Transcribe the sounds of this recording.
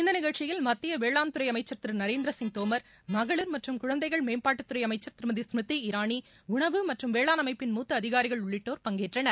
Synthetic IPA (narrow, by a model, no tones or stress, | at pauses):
ɪnd̪ɐnɪɣɐɭt͡ʃɪjɪlmɐt̪ːɪjɐʋeːɭaːnt̪ɯɾɐɪɐmɐɪt͡ʃːɐɾt̪ɪɾnɐɾeːnd̪ɾɐsɪŋ̚t̪oːmɐɾ | mɐɣɐɭɯɾmɐʈrɯmkʊɻɐnd̪ɐɪɣɐɭmeːnpaːʈːɯt̪ːɯɾɐɪjɐmɐɪt͡ʃːɐɾt̪ɪɾmɐðismɪt̪ːiɪɾaːɳi | ʊɳɐʋɯmɐʈrɯmʋeːɭaːnɐmɐɪpːɪnmuːt̪ːɐɐðɪɣaːɾɪɣɐɭʊɭːɪʈːoːɾpɐŋɡeːʈrɐnɐɾ